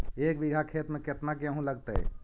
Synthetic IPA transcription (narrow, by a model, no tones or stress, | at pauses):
ek̚biɡʱakʰet̪mẽket̪nakeəɦũləɡt̪ə̰